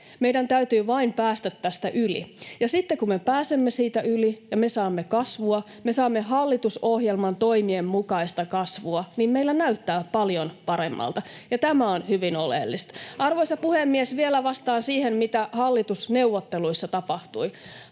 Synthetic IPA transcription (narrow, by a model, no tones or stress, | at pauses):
meidænt̪æyt̪yːʋɑimpæːst̪æt̪ːæːst̪æʔylḭjɑsit̪ːekummepæːsemːesiːt̪æylijɑmesɑːmːekɑsʋuɑ | mesɑːmːeɦɑlːit̪usohjelmɑnt̪oimiemmukɑist̪ɑkɑsʋuɑnimmeilːænæyt̪ːæːpɑljonpɑɾemːɑ̰lt̪ɑ | jɑt̪æmæonhyʋinolḛlːist̪ʔɑrʋoisɑpuhemːiesʋielæʋɑst̪ɑːnsiːhemmit̪æhɑlːit̪usneuʋːot̪ːeluisːɑt̪ɑpɑht̪ui